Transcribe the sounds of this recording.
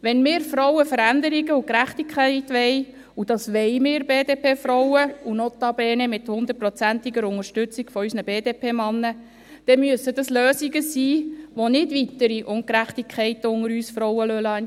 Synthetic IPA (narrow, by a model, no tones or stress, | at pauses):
ʋɛnmɪːɾfɾɔwəfəɾænd̪əɾiɡəukɾæχtikχɛɪtʋɛj | ud̥ɑsʋɛɪmɪːɾbeːdeːpʰeːfɾɔwəunɔt̪ːɑb̥ɛːnɛmɪthʊnd̪ət̚prɔt͡sæntiɡəɾʊŋəʃtʏt͡siɡ̥fɔysnəb̥eːdeːpʰeːmɑnːə | d̥ɛmyəsːəd̥ɑsløːsiɡəsiːʋonɪdʋitəɾiʔʊŋkɾæχtikʰχɛɪtəʊŋəɾyːsfɾɔwəløl